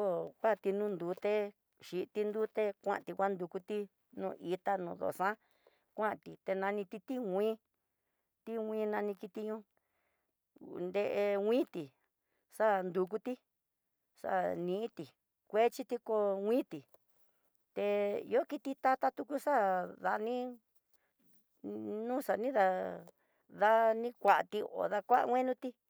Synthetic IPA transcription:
o˦kʷa˦˨˧t̪i˧nũ˦nd̪u˨˧˦t̪e˦ | ʃi˧t̪i˧nd̪u˦t̪e˦kʷã̰˦ʔa˨t̪i˧kʷa˦nd̪u˧ku˧t̪i˦ | nũː˧˨ʔi˧t̪a˦nũ˧˨ðo̰˨sã˦ | kʷã˦ʔt̪i˨t̪e˧nã˧nĩ˧t̪i˧t̪i˦wʷĩː˦ | t̪i˦wʷĩː˦nã˧nĩ˧ki˧t̪i˧ɲũ˦ | nd̪e˧ʔe˧wʷĩ˦t̪i˨ | ʂa˦nd̪u˧k̬u˧t̪i˦ | ʂa̰˦˨nĩ˧˦t̪i˨ | kʷe˦t͡ʃi˦t̪i˧ko˧wʷĩː˦t̪i˨ | t̪e˧ḭ˧o˦ki˧t̪i˧t̪a˧t̪a˦t̪u˧ku˦ʂa˦ða˧nĩ˦ | nũː˦ʂa˨nĩ˦ða˧ | ða˧nĩ˦kʷa˨ʔt̪i˧o̰˨ða˧kʷa˦ʔa̰˧wʷẽ˦nũ˦t̪i˦

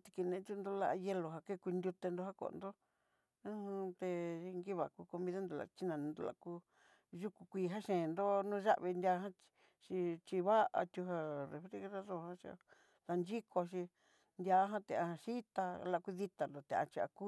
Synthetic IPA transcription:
t̪i̥˧ki˧nẽ˧˨˦t̪u˦˧nd̪o˧la̰˧ʔje˧lo˨ɦa˧ke˦˧ku˧nd̪ʲu˧t̪e˧nd̪o˧ha˦ko̰˨˧nd̪o˦ | ũ˦ht̪e˧i˧ŋɡi˦βa˨ku˧ko˧mĩ˧ða˦nd̪o˧la̰˨t͡ʃi˦nã˨˧nd̪o̰˧la̰˧ku˧ | ʒu˦ku˧kʷiː˧ɦa˦ʃẽ˨˧nd̪o˦nũː˦˧ʒa˦ʔβi˧ndʲa˧˦ɦã˦ | ʃi˧t͡ʃi˧βa˦ʔa̰˧t̪ʲu˧ɦa˧re˧˨fɾi˧ɣɾa˦ðo˧hã˦ʃḭ˧ | la˧nd͡ʒi˦kʰo˧ʃ̬i˧ | nd̪ʲja˧˦ɦã˦t̪e˧˨a˧hã˧ʃi˦t̪a˧la˧ku˧ði˦t̪a˨nd̪o˨t̪e˨ʔa̰˧t͡ʃi˧a̰˧ku˦

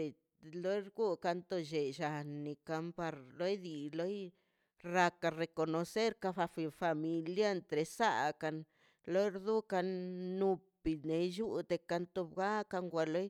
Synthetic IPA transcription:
e˨ | lo˦ɾɡu˦ka˧nt̪o˧ʃe˨ʃa˨nːi˨ka˧mpa˧ɾlo˦jd̪i˨lo˦j | ɾa˧ka˧ɾe˨ko˨no˨se˦ɾka˧fa˧fi˧fa˧mi˧lja˦˧nt̪ɾe˨sa̰˦ka˧n | lo˦ɾd̪u˦ka˧nːu˧pi˨ne˨ju˦d̪e˧ka˧nt̪o˧bɡa˦ka˧ŋɡʷa˧lo˦j

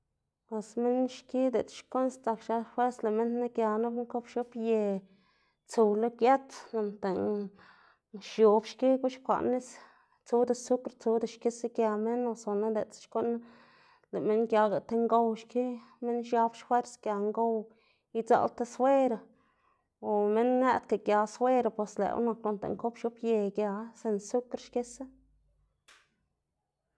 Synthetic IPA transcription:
e˨sme˦nʃki˦d̪e˨t͡sʃko˦nst͡sa˨˧kʃa˧fwe˦ɾsle˨me˦nna˦kja˨na˦bŋko˦pʃo˦pje˨ | t͡su˨wlo˦kja˦t͡s̪na˨nt̪e˨n | ʃjo˨bʃki˦ɡu˦ʃkʷa̰˨ʔnːi˦s | t͡su˦d̪a˨su˦kɾt͡su˧˦d̪a˧ʃki˦se˦kja˨me˦na˨so˨na˦d̪e˨t͡sʃko˦ʔn˦ | le˨me˦nɡja˧ɡa˨t̪e˦ŋɡo˧wʃki˦me˦nʃja˦bʃfwe˦ɾsɡja˨ŋɡo˦˧w | i˧˦t͡sa̰˦˧lt̪a˧swe˦ɾa˨ | o˨me˦nːe˦t̪ka˨ɡja˨swe˦ɾa˧pwe˨slḛ˨w̰na˧kːo˧˨nt̪ḛ˨ŋko˦pʃju˦pje˧ɡja˧se˧nsu˦kɾʃke˦se˦

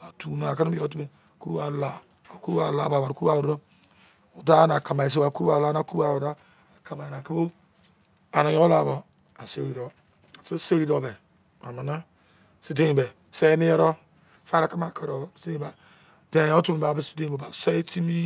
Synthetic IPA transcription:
a˨tu˨na˨ka˦n˦bi˦o˦t̬u˦me˨ku˦ɾu˦a˨la˨ | a˨ku˦ɾu˦a˨la˨˦˨ba˨ba˨ɾku˦u˦a˦˨u˨ɾɾo˦ | o˨da˦na˨ka˨ma˨i˨s̬e˦wa˨ku˦ɾu˦a˨la˨˦na˦˨ku˦a˨ɾo˨da˦ | a˨ka˨ma˨na˨ki˦bo˦ | a˨no˨jo˦la˨bo˨ | a˨se˦ɾi˨ɾo˨ | a˨si˦se˦ɾi˦do˨˦be˨ | a˨ma˨na˦ | si˦de˦˨be˨ | se˦ni˦jɛ˦ɾo˦ | fa˦ɾa˨ka˦ma˦˨ke˦ɾo˨sba˨ | de˨o˦tu˦me˨ba˨be˦˨si̥˦de˦o˨ba˨se˦ti˦mi˦

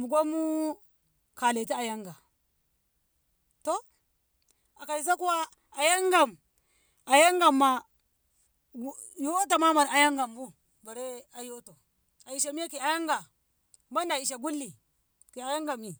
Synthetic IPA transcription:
mu˨ɡʷo˦mu˦ | ka˨le˨ti˦a˨ja˦ŋɡa˨ | to˦ | a˨ka˨i˨s̬a˦ku˦wa˦ | a˨ja˦ŋɡa˨m | a˨ja˦ŋɡa˨mːa˦ | jo˦to˨ma˦ma˨ɾa˨ja˦ŋɡa˨mbu˦ | ba˨ɾe˦a˨jo˦to˨ | a˨i˨ʃa˨mi˦a˦ki˨a˨ja˦ŋɡa˨ | ma˦nda˨i˨ʃa˨ɡu˦lːi˨ | ki˨a˨ja˦ŋɡa˨mi˨

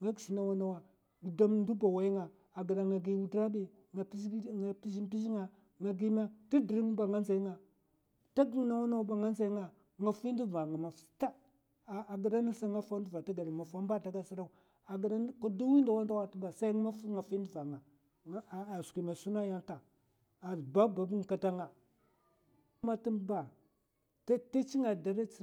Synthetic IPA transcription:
ŋa˦ɡi˨ʃi˨na˨wa˦na˦wa˨ | ɡu˨da˦mn˦du˦ba˨wa˦i˦ŋa˨ | a˨ɡi˨da˨ŋa˨ɡi˦wu˦dɾa˦bi˨ | ŋa˨˦a˨pi˦ʃi˦pi˦ʃi˦ŋa˨ | ŋa˨ɡi˦ma˦ti˦di˨ɾi˦ŋ˦ba˨ŋa˦nza˨i˦ŋa˨ | ta˦ɡŋ˨˦na˦wa˦na˦u˦ba˨ŋa˦nza˦i˦ŋa˨ | ŋa˨fi˦n˦di˦va˨ŋa˨ma˨fta˦˨ | a˨ɡə˨ɾa˦na˦sa˦ŋa˦fa˦du˦va˨ta˦ɡa˨ɾi˨ma˨fa˦m˦ba˦ta˦ɡa˦si˦ɾa˦˨ | a˨ɡɾa˦n˦ka˦du˦wi˦nda˨wa˦nda˦wa˦tba˨sa˦ŋ˦ma˦ŋa˨fi˦ndi˦˨va˨ŋa˨˦˨ | ski˨ma˨su˦na˦ja˦nta˨ | a˨ba˦ba˨bu˦ŋ˨ka˦ta˦ŋa˨˦ | ma˦ti˦ba˨ | ta˦ta˦t͡ʃi˦ŋa˨da˨ɾa˦˨

